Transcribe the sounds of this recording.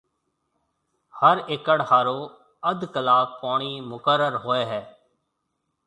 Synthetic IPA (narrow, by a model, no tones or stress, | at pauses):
həɾɪkəɽhaːɾoː | əd̪kəlaːbpaːɳ̃iːmʊkəɾəɾɦoːeːɦɛː